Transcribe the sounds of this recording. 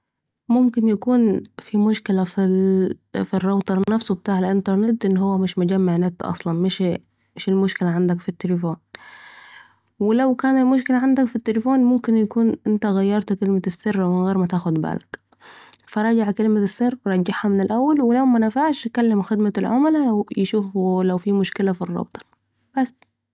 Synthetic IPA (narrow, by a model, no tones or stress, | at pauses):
mʊmkɪnjakuːnfimʊʃkɪlafi | firˤːɑwt̪ˤɑˤnafsubɪt̪aːʕɪlʔɪnt̪ɑɾˤnɪt̪ːʔɪnːɦʊwːamɪʃmʊd͡ʒamːaʕnat̪ʔɑ̰sˤlɑnmɪʃ | mɪʃɪlmʊʃkɪlaʕand̪akfit̪ːɪlɪfoːn | wɪlawkaːnɪlmʊʃ̬kɪlaʕand̪akfit̪ːɪlɪfoːnmʊmkɪnjakuːnʔɪnt̪aɣajːɑɾˤt̪kɪlmasːɪrːwɪnɣeːɾmat̪aːxʊd̪ba̰ːlak | fɑɾˤɑːd͡ʒaʕkɪlmasːɪrːɾˤɑd͡ʒːaħhamɪnɪlʔawːalwɪlawmanafaʕʃkalːɪmxɪd̪malʕʊmlajɪʃuːflawfimʊʃkɪlafirˤːɑ̰bt̪ˤɑ̥ɾˤ | b̥asː